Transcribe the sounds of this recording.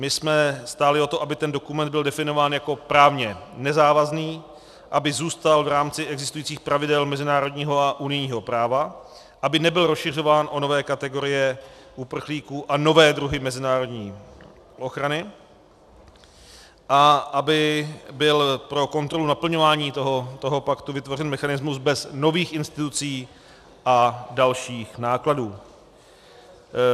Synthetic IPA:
mɪsmɛst̪aːlɪo̞t̪o̞ʔabɪt̪ɛndokumɛnd̪̚bɪldɛfɪno̞vaːnjako̞pɾaːvɲɛnɛzaːvazniː | ʔabɪzuːst̪alvɾaːmt͡sɪʔɛɡzɪst̪ujiːt͡siːxpɾavɪdɛlmɛzɪnaːɾo̞dɲiːɦo̞aʔunɪjɲiːɦo̞pɾaːva | ʔabɪnɛbɪlɾosʃɪr̝o̞vaːnʔono̞vɛːkat̪ɛɡo̞ɾɪjɛʔupr̩xliːkuːʔano̞vɛːd̪ɾuɦɪmɛzɪnaːɾo̞dɲiː | ʔo̞xɾanɪ | ʔaʔabɪbɪlpɾo̞ko̞nt̪ɾo̞lunapl̩ɲo̞vaːɲiːt̪oɦot̪oɦopakt̪uvɪt̪vo̞r̝ɛnmɛxanɪzmuzbɛzno̞viːxʔɪnst̪ɪt̪ut͡siː | ʔadalʃiːxnaːkladuː

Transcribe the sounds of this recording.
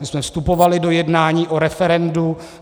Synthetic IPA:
ɪsmɛfst̪upovalɪdo̞jɛdnaːɲiːʔoɾɛfɛɾɛndu

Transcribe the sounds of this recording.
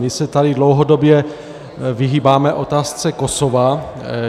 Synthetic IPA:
mɪsɛt̪adɪdlowɦodobjɛ | viɦiːbaːmɛʔo̞t̪aːst͡sɛkosova

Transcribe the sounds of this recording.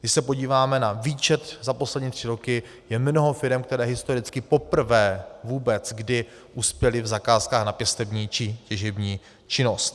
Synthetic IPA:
ɡdɪʃsɛpo̞ɟiːvaːmɛnaviːt͡ʃɛt̪zapo̞slɛdɲiːt̪r̝̥ɪɾo̞kɪ | jɛmno̞ɦo̞fɪɾɛmk̚t̪ɛɾɛːɦɪst̪oɾɪt͡skɪpo̞pr̩vɛːvuːbɛt͡sɡdɪ | ʔuspjɛlɪvzakaːskaːxnapjɛst̪ɛbɲiːt͡ʃɪcɛʒɛbɲiː | t͡ʃɪno̞st̪

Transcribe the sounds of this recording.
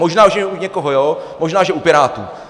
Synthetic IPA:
moʒnaːuʃɛɛuɲɛkoɦojoːmoʒnaːʒɛʔupɪɾaːt̪ṵː

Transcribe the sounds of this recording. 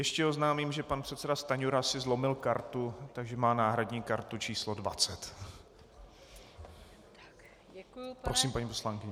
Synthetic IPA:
jɛʃcɛoznaːmimʒɛpanpr̥ɛt̪sɛdast̪aɲuɾasɪzlo̞mɪlkaɾt̪ut̪aɡʒɛmaːnaːɦɾadɲiːkaɾt̪ut͡ʃiːslodva̰t͡sɛt̪ | ɾosiːmpaɲiːposlaŋkɪɲɛ

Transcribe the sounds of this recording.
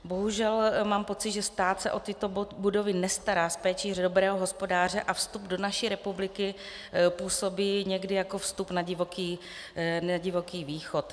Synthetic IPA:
bo̞ɦuʒɛlmaːmpo̞t͡sɪd̪ʒɛst̪aːt̪sɛʔo̞t̪ɪt̪o̞budo̞vɪnɛst̪aɾaːspɛːt͡ʃirdobɾɛːɦoɦospo̞daːr̝ɛʔafst̪ubdo̞naʃiːɾɛpublɪkɪ | puːso̞biːɲɛɡdɪjako̞fst̪upnaɟɪvokiː | naɟɪvo̞kiːviːxo̞t̪

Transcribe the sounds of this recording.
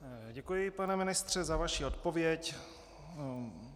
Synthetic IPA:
ɟɛkujɪpanɛmɪnɪst̪r̝̥ɛzavaʃio̞t̪povjɛc

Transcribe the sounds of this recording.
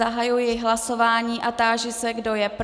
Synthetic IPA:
aɦajujɪɦlaso̞vaːɲiːʔat̪aːʒɪsɛɡdo̞jɛp

